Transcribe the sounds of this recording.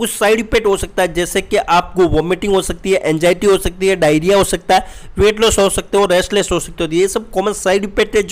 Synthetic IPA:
ʊsaːɪɖipeːʈɦosɐk̚t̪aɦɛd͡ʒɛːsekeʔaːp̚koʋomeʈɪ̃ŋɡɦosɐk̚t̪iɦɛʔɛ̃ːnd͡ʒaːɪʈiɦosɐk̚t̪iɦɛɖaːjɾijaɦosɐk̚t̪aɛ | ʋeːʈloːsɦosɐk̚t̪eɦoɾeːsʈleːsʈɦoːsɐk̚t̪eɦoːt̪iɦɛesɐb̚kɔːmənsaːɪɖipeːʈɦɛd͡ʒ

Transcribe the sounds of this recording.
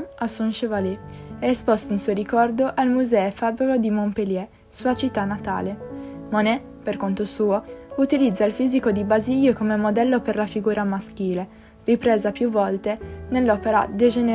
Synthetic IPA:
asːunʃevaliɛespost̪oinsuoɾikɔrd̪oʔalmuzɛɛfabɾikod̪imompeljɛ | suat͡ʃit̪ːanːat̪a̰ːlemonɛ | perkont̪osuːout̪ilid̪zːailfiːzikod̪ibaziʎːokomemod̪ɛlːoperlafiɡuːɾamask̟iːle | ripɾeːzapjuvːɔlt̪enelːɔːpeɾa̰d̪ed͡ʒene

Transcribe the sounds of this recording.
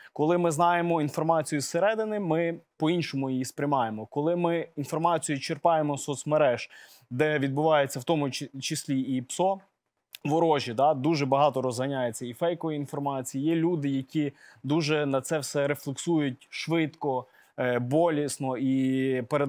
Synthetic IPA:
kɔlˠɪmɪznɑjemɔin̪fɔrmɑt͡sʲijusːeɾɛd̪ɪnɪmɪpɔinʃɔmʊjijispɾʲɪmɑjemɔkɔlˠɪmɪinfɔrmɑt͡sʲijʊt͡ʃerpɑjemɔsɔt̪sʲmɐɾɛʒ̥ | d̪ɛʋʲid̪̚bʊʋɑjet͡sʲːɐwt̪ɔmʊt͡ʃɪsʲlʲiipsɔ | ʋɔɾɔʒʲit̪ɑd̪uʒɛbɐɦɑt̪ɔɾɔzɦɐnʲajet͡sʲːɐifɛjkɔʋiinfɔrmɑt͡sʲijijɛlʲud̪ɪjɐkʲid̪uʒɛnɐt̪sɛwsɛɾeflˠeksujʊtʲʃʋɪt̪kɔ | bɔlʲisnɔipeɾe

